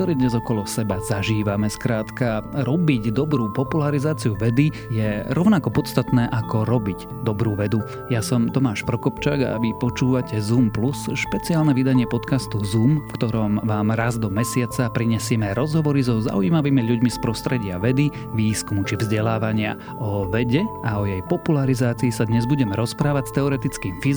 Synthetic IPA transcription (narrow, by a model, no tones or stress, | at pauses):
kt̪ɔɾɛːd̪ɲɛzɔkɔlɔsɛbazaʒiːʋamɛskɾaːt̪kaɾɔbiɟd̪ɔbɾuːpɔpulaɾizaːt͡siuʋɛd̪i | jɛɾɔʊnakɔpɔt̪st̪at̪nɛːʔakɔɾɔbiɟ | d̪ɔbɾuːʋɛd̪u | jasɔmt̪ɔmaːʃpɾɔkɔpt͡ʃaːɡa̰ʋipɔt͡ʃuːʋacɛzumplusʃpɛt͡siaːlnɛʋid̪aɲɪɛpɔt̪kast̪uzuːmfkt̪ɔɾɔmʋaːmɾazd̪ɔmɛsɪat͡sapɾiɲɛsɪɛmɛɾɔzɦɔʋɔɾizɔza̰uiːmaʋiːmiʎuɟmispɾɔst̪ɾɛɟɪaʋɛd̪i | ʋiːskumut͡ʃivzɟɛlaːʋaɲɪa̰ | ɔʋɛɟɛaɔjɛjpɔpulaɾizaːt͡siːsad̪ɲɛzbuɟɛmɛɾɔspɾaːʋacst̪ɛɔɾɛt̪it͡skiːmfi